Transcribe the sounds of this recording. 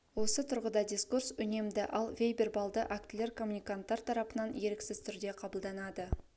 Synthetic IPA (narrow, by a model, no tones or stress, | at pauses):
wo̞sət̪ʰʊɾʁəd̪ɑd̪ʲiskursʏne̞md̪ɪʔɑlˠvʲejbe̞rbɑlˠd̪əʔakt̪ɪle̞ɾkʰo̞mːunijkant̪ːɑɾt̪ʰɑɾɑpənɑnje̞ɾɪksɪzt̪ʰʏɾd̪e̞qʰɑbəlˠd̪ɑnɑd̪ə